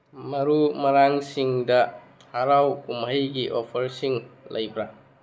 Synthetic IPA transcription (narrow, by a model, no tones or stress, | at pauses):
mɐɾumɐɾaŋsiŋdɐ | haɾawkumɦɐjɡiʔɔpʰəɾsiŋlɐjbɾa